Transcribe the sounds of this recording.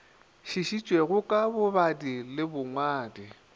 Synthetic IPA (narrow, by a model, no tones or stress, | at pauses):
ʃiʃit͡ʃʼweɣʊkʼabʊbadilɪbʊŋwaːdi